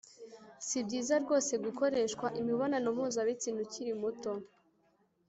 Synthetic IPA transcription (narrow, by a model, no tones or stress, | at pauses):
sibɟiːzaɾɡo̞ːse̞ɡuko̞ɾe̞ːʃkwaʔimiβo̞nanumuːzaβit͡siːnuciɾimuto̞